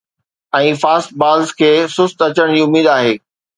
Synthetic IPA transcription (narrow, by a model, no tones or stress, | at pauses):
ɛ̃ːfaːst̚baːlzkʰeːsʊst̪ɐt͡ɕəɽ̃d͡ʑiːʊmiːd̪aːɦeː